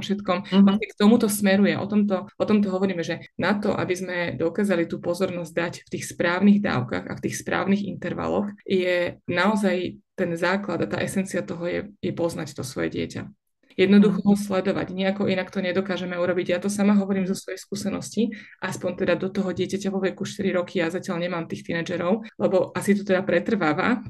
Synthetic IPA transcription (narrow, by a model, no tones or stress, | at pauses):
fʃɛt̪kɔmaɛk̚t̪ɔmut̪ɔsmɛɾujɛʔɔ̰t̪ɔmt̪ɔʔɔt̪ɔmt̪̬ɔɦɔʋɔɾiːmɛʒɛnat̪ɔ̰ʔa̰bizmɛd̪ɔkaːzalit̪uːpɔzɔɾnɔzɟd̪acft̪iːxspɾaːʊniɣd̪a̰ːʊka̰ɣa̰ft̪iːxspɾa̰ːʊniɣḭnt̪ɛɾʋa̰lɔ̰xjɛnaɔzajt̪ɛnzaːklad̪at̪a̰ːʔɛsɛnt͡siat̪ɔɦɔjɛ̰jɛpɔznact̪ɔsʋɔ̰jɛ̰ɟɪɛ̰ca̰ | jɛd̪nɔd̪uxɔɔslɛd̪ɔʋa̰ɟɲɛakɔʔinakt̪ɔɲɛd̪ɔkaːʒɛmɛuɾɔbiɟajat̪ɔsamaɦɔʋɔɾiːmzɔsʋɔjɛskuːsɛnɔsciʔaspɔnt̪ɛd̪ad̪ɔt̪ɔɦɔɟɪɛcacaʋɔʋɛkuʃt̪iɾiɾɔkijazacɪalɲɛmaːmt̪iːxt̪inad͡ʒɛɾɔʊlɛbɔʔasit̪ɔt̪ɛd̪apɾɛt̪r̩ʋaːʋa